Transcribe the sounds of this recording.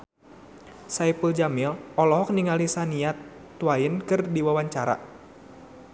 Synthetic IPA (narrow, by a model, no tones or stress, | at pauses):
saipuld͡ʒamilɔlɔɦɔk̚niŋalisaniat̪ː | uajənkɨrdiwawaɲt͡ʃaɾa̰